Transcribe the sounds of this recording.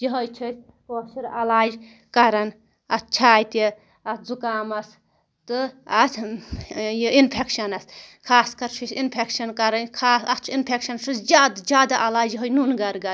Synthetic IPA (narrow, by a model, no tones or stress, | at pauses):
jiɦɐjt͡ʃʰɨsʲ | koːsiɾɐlaːd͡ʒ | kɐɾɐn | ɐt̪̚ʰt͡ʃʰaːjt̪i | ɐt̪ʰzukaːmɐs | t̪ɨɐt̪ʰ | jiinpʰekʃɐnɐskʰaːskɐɾt͡ʃʰusʲinpʰekʃɐnkɐɾɐnkʰaːsɐt͡ʃʰinpʰekʃɐnt͡ʃʰusd͡ʒʲaːd̪d͡ʒjaːd̪aʔɐlaːd͡ʒjiɦojnunɡɐɾɡɐɾ